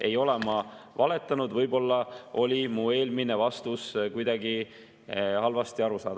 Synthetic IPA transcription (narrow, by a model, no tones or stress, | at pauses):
e̞jo̞le̞mɑvɑle̞t̪ːˑɑnud̪̥vɤjbo̞lːɑo̞lʲimue̞ːlmine̞vɑst̪uskujd̪̥ɑɡi | hɑlvɑst̪iɑɾusɑ̰ːd̪